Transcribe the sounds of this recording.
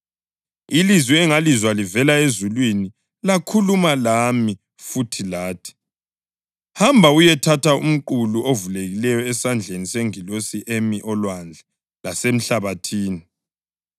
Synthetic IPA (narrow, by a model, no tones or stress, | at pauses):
ilizwɛɛŋalizwalivɛlaezulwini | lakʰulumalami | futʰilaːtʰi̥ | hambʱaujɛtʰatʰaṵm̩ǃuluʔovuleɣilɛjɔɛsand͡ɮʱeniseŋilosiʔemiʔɔlwand͡ɮʱɛ | lasem̩ɬaβatʰiːni